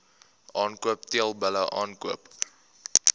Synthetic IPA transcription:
ʔɑːnkuəpt̪iəlˠbələʔɑːnkuəp

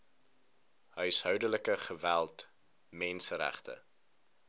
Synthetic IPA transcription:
ɦœɥsɦœwdələkəχəvælˠt | mɛnsəɾæ̰χtə̰

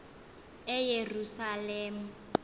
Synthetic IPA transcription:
ɛjerusaleːm̩

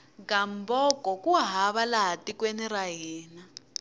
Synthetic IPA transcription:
ɡambɔkɔkuaɦaβalaɦatikweniɾaɦiːna

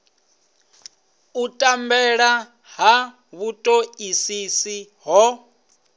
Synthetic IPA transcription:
utʼambɛɺa | ɦa | βutʼoisisi | ɦɔ

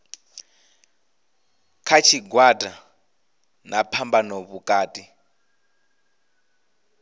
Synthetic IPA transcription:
kʰat͡ʃʰiɡwatʼa | napʰambanɔβukʼaːtʼi

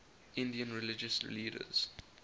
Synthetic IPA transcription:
ɪ̃ndiə̃nɹɪlɪd͡ʒəsliːdə̰z̥

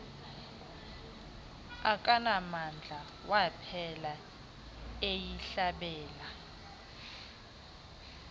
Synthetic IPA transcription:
akʼanamand͡ɮʱa | wapʰɛla | ejiɬaɓɛːla

